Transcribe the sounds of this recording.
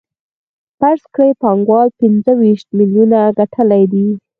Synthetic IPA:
paɾskɽepɑŋɡwɑlpɪnd͡zəwiʃt̪̚miljunaɡaʈʰəlajd̪i

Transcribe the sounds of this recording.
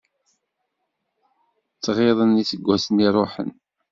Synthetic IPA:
t͡sːʁeðˤənisəɡʷːæsəniɾˤoħə̰n

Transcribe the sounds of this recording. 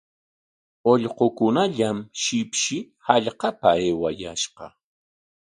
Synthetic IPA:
oʎqokʊnaʎamʃɪpʃɪ | haʎqɑpaeːwajaʃqɑ

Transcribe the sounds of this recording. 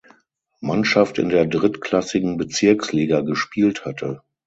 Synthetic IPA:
manʃaftɪ̰ndeːɐdʁɪtkl̥asɪɡŋ̩bət͡sɪɐksliːɡaɡəʃpiːlthatʰə

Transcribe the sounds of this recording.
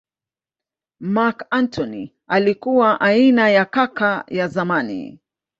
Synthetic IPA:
makantʰɔni | alikuwaʔainajakakajazamanḭ

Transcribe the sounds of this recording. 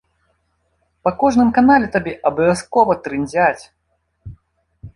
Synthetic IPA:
pɐkɔʐnɨmkanalʲɛt̪abʲɛʔɐbɐvʲaskɔvɐt̪ɾɨnʲd͡zʲat͡sʲ

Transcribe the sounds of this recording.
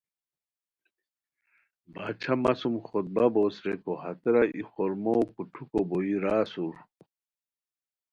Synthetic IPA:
baːt͡ɕʰamɐsumxot̪̚baboːsɾekohɐt̪ɾaʔixoɾmowkuʈʰukoboiɾaːsuɾ

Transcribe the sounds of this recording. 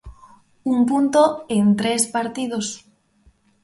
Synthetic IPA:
umpunt̪oent̪ɾespaɾt̪ið̞os

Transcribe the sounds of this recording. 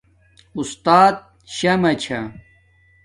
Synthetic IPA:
ust̪aːt̪̚ | ɕɐmɐt͡ɕʰɐ

